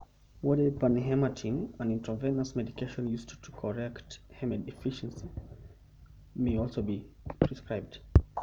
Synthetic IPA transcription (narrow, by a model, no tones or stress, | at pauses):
wɔdəpanɦɛmatʰĩŋə̃nĩntʰɹəvɛ̃nəsmɛdikʰeʃə̃njusttʰukʰɔɹɛkthɛmɛdɛfiʃə̃nsi | meɪɔlˠsoʊbi | pʰɹ̥iskɹaɪb̚d̥